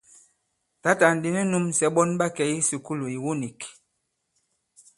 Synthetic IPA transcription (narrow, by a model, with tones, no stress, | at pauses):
ta˦ta˨n̩˨di˦nɛ˦nu˦msɛ˨˦ɓɔ˦nɓa˦kɛ˨˦ji˦si˨ku˦lo˨i˨wu˦ni˨k